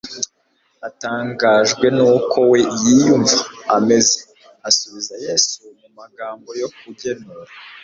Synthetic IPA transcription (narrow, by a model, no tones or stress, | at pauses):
ataːŋɡaʒɡwe̞nuːkʰo̞wejijuɱvaːme̞ze | asuβizajeːsumumaɡaːmbo̞jo̞k̚uɟe̞nuɾa